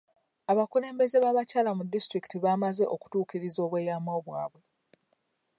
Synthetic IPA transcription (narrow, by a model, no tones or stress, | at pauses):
aβakule̞ːmbe̞ze̞βaːβacaːlamudːistɾiki̥tiβaːmaze̞ʔo̞ku̥tuːkiɾizo̞ːβwe̞ːjamo̞ːβwaːβwe̞